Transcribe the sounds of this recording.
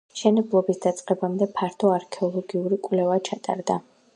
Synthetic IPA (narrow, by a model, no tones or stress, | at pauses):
ʃɛnɛblˠɔbisd̪at̪sʼqʼɛbamd̪ɛpʰaɾt̪ʰɔaɾkʰɛɔlˠɔɡiuɾikʼwlɛvat͡ʃʰat̪ʼa̰ɾd̪a